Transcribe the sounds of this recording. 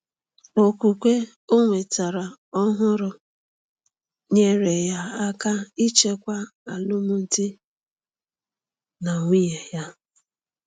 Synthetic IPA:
o˨kʷu˨kʷe˦ | o˦ŋʷe˨ta˨ɾa˨ | ɔ˦ɦʊ˦ɾʊ˨ | ɲe˦ɾe˨ja˦a˦ka˦i˦t͡ʃe˦kʷa˦a˨lʊ˦mʊ˦n̩˦ti˦ | na˨ŋʷi˦je˨ja˦

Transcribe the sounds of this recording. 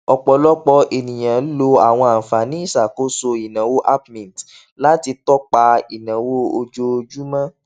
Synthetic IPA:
ɔ˨k͡pɔ˨lɔ˦k͡pɔ˧e˨nĩ˨j̃ã˨˦lo˧a˨w̃ɔ̃˧a˨fa˨nĩ˦i˦˨sa˨ko˨˦so˧i˨nã˨˦wo˦ʔa˦pmĩ˨n˨t | la˦ti˧tɔ˦k͡pa˧i˨nã˨˦wo˦o˧d͡ʒo˦˧d͡ʒu˦mã˦

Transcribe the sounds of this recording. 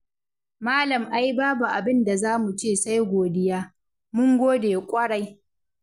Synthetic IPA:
maː˦lɐ˨mʔa˨ji˦baː˦ba˨ʔa˨bɪ˦nda˨zaː˦mu˨t͡ʃeː˦˨sa˦jɡʷoː˨dɪ˦jaː˦ | mʊ˦ŋɡʷoː˦deː˨kʷʼɐ˦ɽa˦j

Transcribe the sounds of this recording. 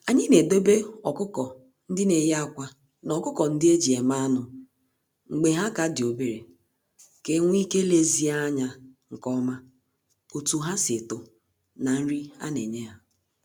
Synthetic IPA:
a˨ɲɪ˦ne˨do˦be˦ɔ˨kʊ˦kɔ˨ | n̩˦dɪ˦ne˨jkʷa˦ | nɔ˨kʊ˦kɔ˨n̩˦dɪ˦e˦d͡ʒi˨e˨ma˦a˦nʊ˨ | ŋ͡m̩˨ɡ͡be˨ɦa˦ka˨dɪ˨o˨be˨ɾe˨ | ke˦ŋʷ˦i˦ke˦le˦zi˦a˦ɲa˨ŋ̩˨kɔ˦ma˦ | o˨tu˨ɦa˦sɪ˨tʊ˨ | na˨n̩˦ɾi˦a̰˦ne˨ɲe˦ɦa˦

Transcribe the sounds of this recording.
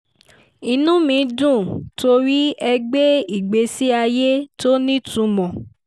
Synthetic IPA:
i˧nũ˦mĩ˨˧dũ˦˨to˧ɾi˦ɛ˧ɡ͡be˦i˦˨ɡ͡be˧si˦a˧je˦to˦nĩ˦tũ˨˧mɔ̃˨

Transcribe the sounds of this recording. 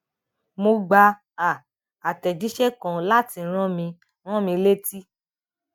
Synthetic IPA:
mo˧ɡ͡ba˧ | a˨ | a˨tɛ˨d͡ʒi˨˦ʃɛ˦kã˨la˦ti˧˦ɾ̃ã˦mĩ˧ | ɾ̃ã˦mĩ˧le˦ti˦

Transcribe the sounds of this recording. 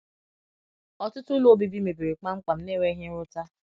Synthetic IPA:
ɔ˨tʊ˦tʊ˦lo˦o˦˨bi˦bi˦me˨be˨ɾe˨k͡pa˦ŋ͡m̩˦k͡pa˨m̩˦ne˦˨we˦ɦɪ˦ɾʊ˦ta˦

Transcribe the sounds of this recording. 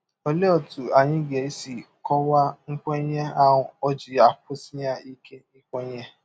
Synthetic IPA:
ɔ˨˧le˦ɔ˦˨tu˨a˨j̃ĩ˦ɡɛ˨i˦si˦˨ | kʰɔ˦wa˦ŋ̩˦k͡pɔ̃˦j̃ɛ̃˦a˦˨w̃ɔ̃˨ɔ˧d͡ʒi˨a˨po˦si˦jã˦i˦kʰe˦nĩ˦k͡pɔ̃˦j̃ɛ̃˦

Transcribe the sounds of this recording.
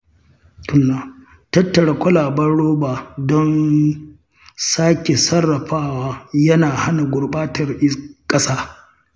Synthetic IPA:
tʊ˦nːaː˨ | tɐ˦tːɐ˨ɽa˨kʷɐ˦laː˨bɐ˦ɽoː˦baː˨dɔ˦n | saː˦kʲe˨sɐ˦rːɐ˨ɸaː˦waː˦jɐ˦naː˨ha˦na˨ɡʷʊ˨ɽɓaː˦tɐ˨rʔɪ˦kʼɐ˦saː˦

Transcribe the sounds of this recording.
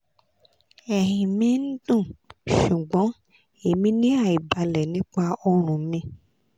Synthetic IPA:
ɛ˨ɦĩ˨mĩ˦n̩˦dũ˦˨ʃu˨ɡ͡bɔ̃˨˦ | e˨mĩ˦nĩ˦a˦˨i˨ba˧lɛ˨nĩ˨˦k͡pa˧ɔ˧ɾ̃ũ˨mĩ˧˦

